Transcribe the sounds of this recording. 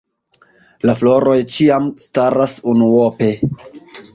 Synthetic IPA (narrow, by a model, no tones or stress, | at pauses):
laflo̞ɾo̞jt͡ʃiamstaɾasunuope̞